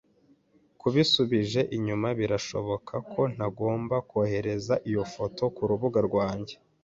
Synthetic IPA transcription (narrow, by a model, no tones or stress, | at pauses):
kuβisuβiʒe̞ʔiɲumaβiɾaʃo̞̰βokʰakʰo̞n̥aɡo̞ːmbakohe̞ɾe̞zaʔijo̞fo̞tʰo̞kuɾuβuɡaɾɡwaːɲɟe̞̥